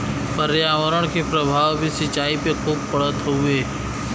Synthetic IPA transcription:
pəɾejaːʋəɾəɽ̃kʰepɾəbʱaːʋbʱisɪt͡ʃaːipekʰuːb̚pəɽ̤ət̪ueː

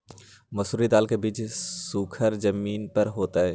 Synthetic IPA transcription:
mɐsuːɾid̪aːlkebiːt͡ʃsuːkʰəɾd͡ʒəmiːnpəɾɦoːt̪aɦɛː

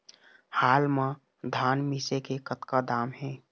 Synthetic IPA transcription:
haːlma | d̪ʱaːnmisekekət̪kad̪aːmɦɛ̃

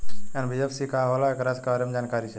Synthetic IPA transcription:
ɛnbiefsikaːɦolaekɾaskaɾemd͡ʒaːnkaːɾit͡ʃʰe

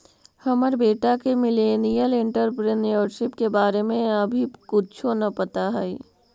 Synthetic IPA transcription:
hɐməɾbeːʈakemɪleːnijəlɪ̃ɳʈəɾpɾenijəɾʃɪpkebaːɾemẽɐbʱikʊt͡ʃʰonɐpɐt̪aɦɛi

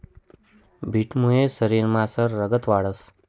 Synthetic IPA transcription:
bʱiʈmũesəɾiɾmãsəɾːəɡət̪ʋaɭəs

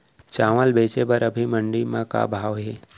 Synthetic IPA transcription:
t͡ʃaːʋəlbeːt͡ʃebəɾəbʱiməɳɖimãka̰bʱaːʋɦeː

